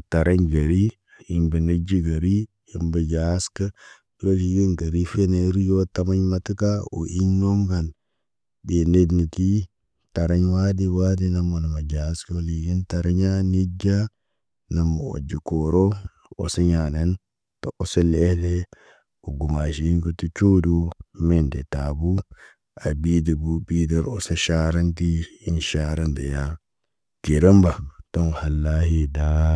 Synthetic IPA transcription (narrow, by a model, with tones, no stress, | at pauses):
u˨ta˨ɾa˦ɲɡa˨ɾi˦ | ji˦˨mbə˨ne˦d͡ʒi˦ɡa˨ɾi˦ | ji˨mbə˨d͡ʒa˨˦skə˦ | ɾo˦li˨ɡi˦nɡa˨ɾi˦fe˦ne˨˦ɾi˦jo˦ta˦ma˦ɲma˦ti˦ka˦ṵ˨ʔi˦ɲnːo˦ŋka˨n | be˨ne˦dni˨ki˦ | ta˨ɾa˦ɲwa˦di˦wa˦di˦na˨mo˨na˨ma˨d͡ʒa˨˦sko˦li˨ɡi˦nta˨ɾa˦ɲa˦ni˦d͡ʒa˦ | na˨mːu˨o̰˨d͡ʒi˨koɾo˦ | o̰˨saɲana˦n | toʔɔ˦sa˦le˦hle˦ | u˨ɡu˨ma˨ʃi˨˦nko˦tu˦t͡ʃu˦du˦mendɛ˨tabu˦ | a˨bi˦di˨bubida˦ɾosaʃa˦ɾa˦nti˦inʃaɾa˦nde˨ja˦ | ɡi˨ɾa˦mba˨to˦nha˨lːa˦hi˦da